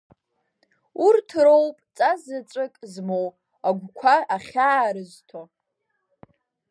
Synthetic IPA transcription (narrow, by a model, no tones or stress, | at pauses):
urtʰro̞wpʼt͡sʼazat͡ʃʷʼɨkʼzmow | aɡʷkʷʰaaχʲaːɾɨztʰo